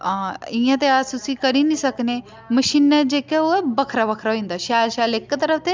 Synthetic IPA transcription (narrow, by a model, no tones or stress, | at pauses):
ɪjãːt̪eaːst̪ʊsĩːkəɾiːnĩːsəkneː | məʃiːnɛd͡ʒeːkaoːɛbəkʰɾaːbəkʰɾaːɦoĩːnd̪aːʃaːlʃaːlɪkːt̪əɾəfʰt̪eː